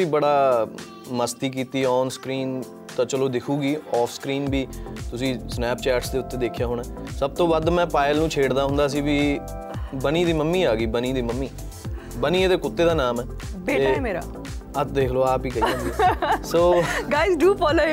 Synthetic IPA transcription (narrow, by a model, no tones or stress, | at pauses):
iːbəɽaː | məst̪iːk̬iːt̪iːɔːnskɾiːn | t̪ãːt͡ʃəloːd̪ɪkʰuːɡiːɔːfʰskɾiːnbʱiːt̪ʊsĩːsnɛːpt͡ʃɛːʈsd̪eːʊt̪ːeːd̪eːkʰːjaːɦoːɳaːsəb̚t̪õːbad̪mɛ̃ːpaːɪlnũːt͡ʃʰeːɽd̪aːɦʊ̃nd̪aːs̬iːʋiː | bəniːd̪iːməmːiːaːɡiːbənĩːd̪iːməmːiː | bəniːeːt̪eːkʊt̪ːeːd̪aːnaːmɛː | beːʈ̪eɛmeːɾa̰ː | ət̪d̪eːkʰloːaːpiːkəiãnd̪isoːɡaːɪzɖuːpoːlə